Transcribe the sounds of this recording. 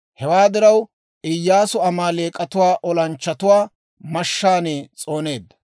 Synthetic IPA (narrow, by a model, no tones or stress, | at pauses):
hɛwaːd̪ɪɾɐw | ʔɪjːaːsʊɐmaːleːkʼːɐt̪ʊwaːʔɔlɐnt͡ʃːɐt̪ʊwaː | mɐʃːaːnet͡sʼo̞ːne̞ːd̪ːɐ̥